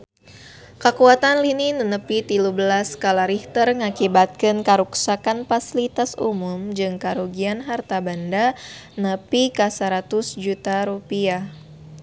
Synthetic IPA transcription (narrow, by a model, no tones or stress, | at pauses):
kakuat̪anlininənəpit̪ilubəlaskalaɾiht̪ərŋakibat̪̚kɨnkaɾuksakanfasilit̪asṵmʊmd͡ʒɨŋkaɾuɡianɦart̪abandanəpikasaɾat̪ʊsd͡ʒut̪aɾupia